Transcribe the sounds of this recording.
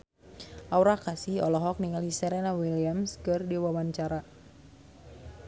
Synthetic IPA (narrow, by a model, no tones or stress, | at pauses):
ʔawɾakasiɔ̰lɔɦɔk̚niŋalisɛɾɛnawiliamskɨrdiwawaɲt͡ʃaɾa